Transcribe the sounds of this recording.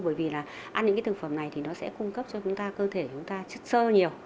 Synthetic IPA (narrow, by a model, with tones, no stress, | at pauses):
ɓəː˧˩jvi˨˩laː˨˩ | ʔaː˧nɲɨ̰˧˥kaː˨˦t̪ʰɨ˨˩ŋfə˧˨˩mna˨˩jt̪ʰi˨˩nɔ˨˦sɛ̰˧˥kʊ˧ŋ͡mkə˦˥p̚t͡ɕɔ˧t͡ɕʊ˨˦ŋ͡mt̪aː˧kəː˧t̪ʰe˧˩t͡ɕʊ˨˦ŋ͡mt̪aː˧t͡ɕə˦˥t̚səː˧ɲi˨˩əw